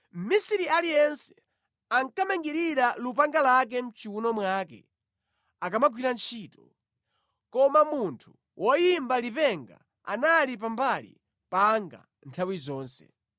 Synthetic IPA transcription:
m̩misiɾialijɛnsɛ | aŋkamaŋɡiɾiɾalupaŋɡalak̬ɛm̩t͡ʃiunɔmwaːkɛ̰ | akamaɡwiɾant͡ʃʰiːtɔ | kɔmamuntʰu | wʔɔjimbalipɛŋɡa̰ | a̰nalip̬ambalḭ | paŋɡa̰ | ntʰawizɔːnsɛ̰

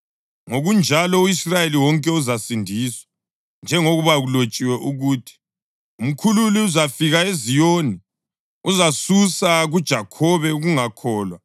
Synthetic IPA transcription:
ŋoɣund͡ʒʱalɔuisrajeliwɔŋkʼɛuzasindʱiswḁ | nd͡ʒʱɛŋoɣuβaɣulot͡ʃʼiwɛʔuɣuːtʰi̥ | um̩kʰululiuzafiɣaezijoːni | uzasusaɣud̥ʒ̥ʱakʰɔβɛuɣuŋakʰɔːlwa

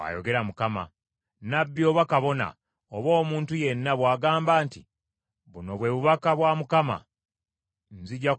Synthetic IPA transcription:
a̰joɡe̞ɾamukama̰ | nabːio̞βakaβo̞na̰ | oβo̞ːmuːntuje̞nːaβwaːɡaːmbaːnti | βuno̞βwe̞ːβuβakaβwamukama̰ | nziɟa

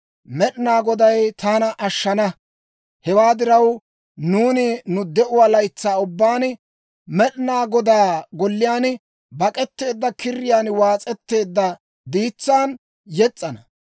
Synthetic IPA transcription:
mɛɗnaːɡɔd̪ɐjt̪ʰaːnɐʔɐʃːɐnɐ | hɛwaːd̪ɪɾɐw | nuːnɪnʊd̪ɛʔʊwalɐjt͡sːaːʊbːaːn | mɛɗnaːɡɔd̪aːɡɔlːɪjaːn | bɐkʼɛt̪ːe̞ːd̪ːɐkɪrːɪjaːnwaːt͡sʼɛt̪ːe̞ːd̪ːɐ | d̪iːt͡sːaːn | jɛt͡sʼːɐnɐ

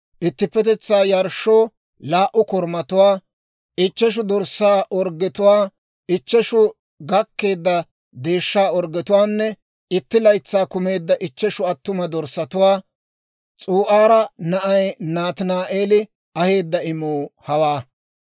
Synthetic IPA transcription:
ʔɪt̪ːɪpːɛt̪ɛt͡sːaːjɐɾʃːoː | laːʔʊkɔɾmɐt̪ʊwaː | ɪt͡ʃːɛʃ̬ʊd̪ɔɾsaːʔɔɾɡːɛt̪ʊwaː | ɪt͡ʃːɛʃʊ | ɡɐkːe̞ːd̪ːɐ | d̪e̞ːʃːaːɔɾɡɛt̪ʊwaːnːɛ | ɪt̪ːɪlɐjt͡sːaːkʊme̞ːd̪ːɐʔɪt͡ʃːɛʃʊɐt̪ːʊmɐd̪ɔɾsɐt̪ʊwaː | t͡sʼuːʔaːɾɐnɐʔɐjnaːt̪ɪnaːʔeːlɪ | ɐhe̞ːd̪ːɐɪmuːhɐwaː

